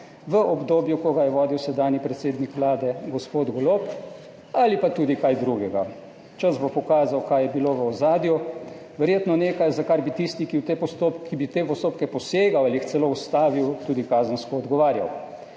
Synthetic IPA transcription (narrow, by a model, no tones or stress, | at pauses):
ʋəʔɔbd̪oːbjukɔɡajɛʋɔːd̪iwsɛd̪aːnjipɾɛt̪seːd̪nikʋlaːd̪ɛɡɔspoːd̪ɡɔlop | alipat̪uːd̪ikajd̪ɾuɡɛɡa | t͡ʃəzbopɔkaːzawkajɛbiloʋəɔzaːd̪ju | ʋɛɾjeːt̪nɔneːkajzakaɾbit̪ist̪ikiwt̪eːpɔst̪opkːibit̪eːpɔst̪oːpkɛpɔseːɡawalixt̪sɛloust̪aːʋiwt̪uːd̪ikaːzənskɔːd̪ɡɔʋaːɾja̰w